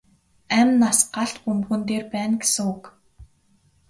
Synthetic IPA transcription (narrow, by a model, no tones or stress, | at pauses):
æmnasɢaɬt̪pumxɘ̆nt̪eːrpæːnɡesɘ̆ŋʊk